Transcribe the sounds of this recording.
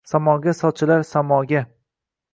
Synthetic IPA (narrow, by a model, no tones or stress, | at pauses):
samɒɡʲasɒt͡ʃʰɪlaɾsamɒɡʲa